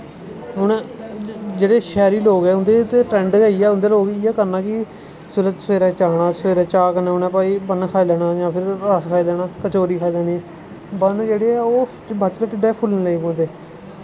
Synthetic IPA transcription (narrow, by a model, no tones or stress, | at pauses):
ɦʊnː | d͡ʒeːɽeːʃɛːɾiːloːɡɛːʊnd̪eːt̪eʈɾɛ̃ːɳɖɡəːiːɛːʊnd̪eːloːɡɪːɛːkəɾnaːkɪ | sʊlət̪sʋeːɾɛːt͡ʃaːɽ̃aːsəʋeːɾɛːt͡ʃaːkənɛ̃ːʊnɛ̃ːpaːiːbənkʰaːiːlɛːɽaːd͡ʒãːpʰɪɾaskʰaːiːlɛːnaːkət͡ʃoːɾiːkʰaːiːlɛːɽiːɛː | bənd͡ʒeːɽeːɛːoː | bət͡ʃləʈɪɖɛːpʰʊlnːləipõːnd̪eː